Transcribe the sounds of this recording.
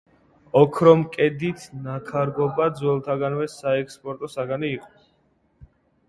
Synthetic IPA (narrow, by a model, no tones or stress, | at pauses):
ɔkʰɾɔmkʼɛd̪it̪ʰnakʰaɾɡɔbad̪zwɛlˠt̪ʰaɡanvɛsaɛkspʼɔɾt̪ʼɔsaɡaniːqʼɔ